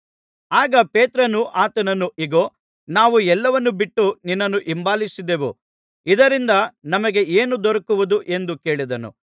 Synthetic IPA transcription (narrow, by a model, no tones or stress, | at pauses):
aːɡɐpeːt̪ɾɐnuʔaːt̪ɐnɐnːuʔiɡoː | naːʋuɛlːɐʋɐnːubiʈːuninːɐnːuʔimbaːlisid̪e̞ʋṵ | id̪ɐɾind̪ɐnɐmɐɡe̞eːnud̪ɔɾɐkuʋud̪uʔe̞nd̪uke̞ːɭid̪ɐnṵ